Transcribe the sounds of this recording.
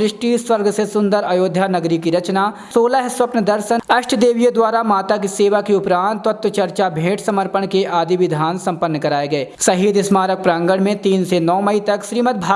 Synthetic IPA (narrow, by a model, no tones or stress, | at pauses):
ɾɪʃʈiswɐɾɡʱsesʊ̃nd̪əɾɐjoːd̪ʱjanɐɡɾikiɾɐt͡ʃna | soːlaɦsʋɐpnəd̪ɐɾʃənɐʃʈʰd̪eːʋijəd̪waːɾamaːt̪akiseːʋakeʊpɾãːnt̪ʋɐt̪wət͡ʃɐɾt͡ʃabʱẽːʈʰsɐməɾpəɳkeʔaːd̪iʋɪd̪ʱaːnsɐ̃mpənːkɐɾaːeɡɐeːsɐɦiːd̪ɪsmaːɾək̚pɾãːŋɡəɽmẽt̪iːnsenɔːmɐit̪ɐkʃɾiːmət̪̚bʱaː